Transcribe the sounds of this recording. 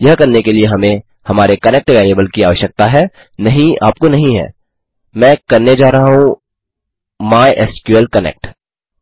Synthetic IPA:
jɐɦkɐɾnekelieɦɐmẽ | hɐmaːɾekɐnek̚ʈʋeːleːbəlkiaːʋəʃjək̚t̪aɦɛː | nɐɦĩa̰ːp̚konɐɦĩɦɛ̰ː | mɛ̃ːkɐɾned͡ʒaːɾɐaɦũ | maːjʔeskuelkɐnḛːk̚ʈ

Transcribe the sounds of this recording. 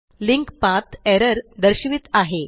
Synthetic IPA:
liŋkpat̪ʰɛɾəɾd̪əɾɕʋiːt̪aɦe

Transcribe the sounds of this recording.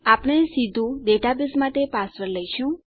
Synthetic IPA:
apɽ̃esid̪ʱũɖeʈabɪsmaʈ̪epasʋəɾləjʃũ

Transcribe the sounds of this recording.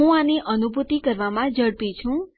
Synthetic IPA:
ɦũaneʔənubʱut̪ikəɾʋamãd͡ʒəɽpĩt͡ʃʰũ

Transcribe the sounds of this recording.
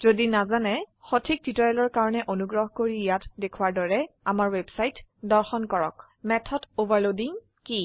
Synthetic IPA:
z̥odinazanɛxotʰik̚ditɔjɛlɔɹkaɹɔnɛʔonuɡɹɔɦkoɹijatdekʰuwaɹdɔɹɛ | amaɹwebsajtdɔɹxɔnkɔɹɔ̰k | mɛtʰɔdovaɹlodiŋ | ki

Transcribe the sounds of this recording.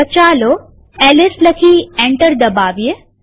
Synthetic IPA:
ət͡ʃaːlo | ɛlɪsləkʰiːɛɳʈəɾd̪ɐbaːʋije

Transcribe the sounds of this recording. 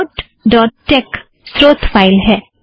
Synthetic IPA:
ʈ | ɖɔːʈːek | sɾoːt̪ʰpʰaːɪlɦɛː

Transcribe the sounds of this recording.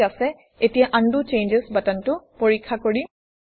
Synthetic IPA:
asɛ | etijaʔandut͡ʃejnd͡ʒesbatantʊpoɹikʰːakoɹi

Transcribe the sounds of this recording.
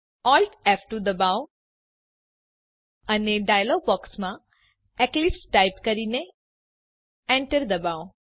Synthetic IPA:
ɔlʈɛfʈud̪əbaw | aneɖajəlɔɡ̚bɔksmã | ɛklipsʈajpkəɾiːne | ɛ̃ɳʈəɾd̪əbaw

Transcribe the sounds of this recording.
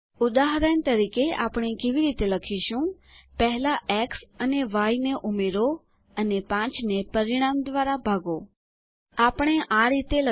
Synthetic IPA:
ʊd̪aɦɾəɳt̪əɾikea̰pɳ̃ekeʋiɾit̪eləkʰiʃũ | pɛɦɛlaʔɛksəneʋaineʔʊmeɾo | ənepãt͡ʃnepəɾɪɽ̃amd̪ʋaɾabʱaɡo | apɽ̃eʔaɾit̪elə

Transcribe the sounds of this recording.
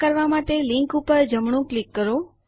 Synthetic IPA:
kəɾʋamat̪eliŋkupəɾd͡ʒəmɳ̃ũklikːəɾo

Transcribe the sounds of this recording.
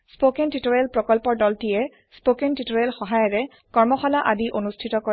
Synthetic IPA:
spokentitoɹelpɹɔkɔlpɔɹdɔltijɛ | spokentitoɹelxɔɦajɔɹɛ | kɔɹmɔxɔlaʔadiʔonustʰitɔkɔ

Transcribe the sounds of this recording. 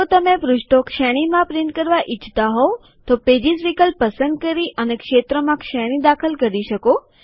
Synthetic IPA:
ot̪əmẽpɾʊʃʈokʃɛɽ̃imãpɾiɳʈkəɾʋaʔɪt͡ʃʰt̪aɦo | t̪oped͡ʒisʋikəlpːəsə̃nd̪̚kəɾiʔənekʃet̪ɾəmãkʃɛɽ̃id̪akʰəlkəɾiʃəko

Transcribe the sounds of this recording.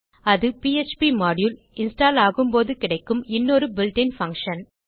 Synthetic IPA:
ɐðɯpiːet͡ʃpimaːɽjul | ɪnsʈaːlaːɣɯmpoːðɯkɪɽɐɪkːɯmɪnːoːɾɯbɪlɖɪnfɐŋkʂɐn

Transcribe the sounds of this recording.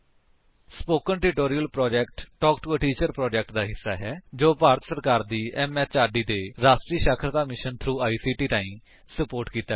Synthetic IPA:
spoːkənʈɪʈoːɾijəlpɾɔːd͡ʒɛkʈʈɔːkʈuəʈiːt͡ʃəɾpɾɔːd͡ʒɛk̚ʈd̪aːɦɪsːaːɦɛːd͡ʒoːpaːɾət̪səɾkaːɾd̪iːʔɛːmɛːt͡ʃaːɾɖiːd̪eːɾaːʃʈɾiːʃaːkʰɾt̪aːmɪʃənt̪ʰɾuːaːiːsiːʈiːt̪ãːĩː | səpoːɾʈkiːt̪a

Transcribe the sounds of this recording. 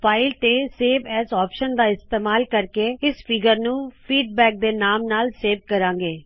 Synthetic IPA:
pʰaːɪlt̪eːseːʋɛːzɔːpʃənd̪aːɪst̪eːmaːlkəɾkeːɪspiːɡəɾnũːpʰiːɖbɛːk̚d̪eːnaːmnaːlseːʋkəɾãːŋɡeː

